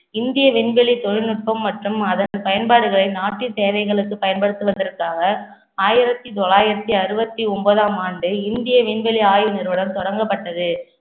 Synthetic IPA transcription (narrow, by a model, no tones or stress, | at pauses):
ɪnd̪ɪjɐʋɪɳbɛɭit̪ɔɻɪnɯʈ̚pɐmːɐʈrɯmɐðɐnpɐjɐnbaːɽɯɣɐɭɐɪnaːʈːɪt̪eːʋɐɪɣɐɭɯkːɯpɐjɐnpɐɽɯt̪ːɯʋɐnd̪ɪɾɯkːaːɣɐ | aːjɪɾɐt̪ːit̪ɔɭaːjɪɾɐt̪ːiɐɾɯbɐt̪ːiɔmbɐðaːmaːɳɖɯɪnd̪ɪjɐʋɪɳbɛɭiaːjɯnɪɾɯʋɐɽɐmt̪ɔɽɐŋɡɐpːɐʈːɐðɯ